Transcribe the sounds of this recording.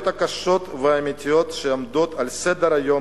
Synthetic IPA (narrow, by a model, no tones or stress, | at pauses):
t̪akaʃo̞t̪veamit̪ijo̞t̪ʃeamd̪ot̪alsed̪eɾajo̞